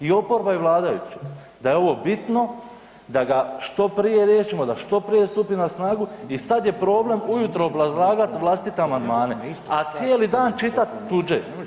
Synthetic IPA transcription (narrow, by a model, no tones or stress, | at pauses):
io̞po̞ɾbaiʋlˠaːd̪ajut͡ɕi̥ | d̪ajeo̞ʋo̞bit̪no | d̪aɡaʃt̪o̞pɾije̞ɾjeːʃimo̞d̪aʃt̪o̞pɾije̞st̪upinasnaːɡuisad̪je̞pɾo̞ːble̞mujut̪ɾoːbɾazlˠaːɡat̪ʋlˠast̪it̪e̞amand̪maːne̞at̪sjeːlid̪aːnt͡ʃit̪at̪ːud͡ʒḛ